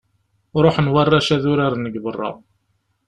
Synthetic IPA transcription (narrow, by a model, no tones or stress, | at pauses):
ɾˤoħənwarˤːaʃæðʊɾaɾnəɡbərˤːɑ̰